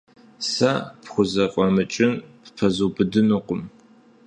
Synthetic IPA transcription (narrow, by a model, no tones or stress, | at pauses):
sapχʷʊzɐqʷʼɔmɨt͡ʃʼɪnppʰɐzubɨdɨnuqʷʊm